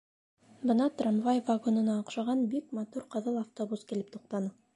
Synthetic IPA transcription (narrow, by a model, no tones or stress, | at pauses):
bɤ̆nɑt̪ramvajvaɡonɤ̆nɑŏqʃɑʁɑnbikmat̪uɾqɤ̆ðɤlˠaft̪obuskilɘp̚t̪uq̚t̪ɑnɤ